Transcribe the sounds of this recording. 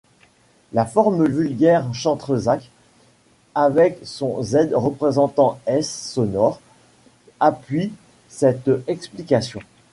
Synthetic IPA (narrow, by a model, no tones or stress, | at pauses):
lafɔʁməvylɡʲɛʁʃɑ̃t̪χəzak | avɛksɔ̃zɛd̪ʁəpχezɑ̃t̪ɑ̃ɛsːɔnɔʁ | apɥi | sɛt̪ɛksplikasjɔ̃